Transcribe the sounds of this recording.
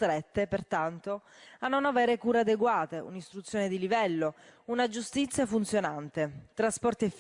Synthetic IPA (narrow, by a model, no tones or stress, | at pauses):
t̪ɾɛt̪ːepert̪ant̪oanːonaveːɾekuːɾead̪eɡwaːt̪eṵnist̪ɾut̪sːjoːned̪ilivɛlːounad͡ʒust̪it̪sːjafunt̪sjonant̪et̪ɾaspɔrt̪iɛf